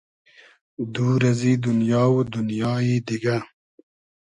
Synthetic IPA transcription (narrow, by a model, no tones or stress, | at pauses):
d̪uːɾɐziːd̪unjɑːwd̪unjɑːid̪iɡa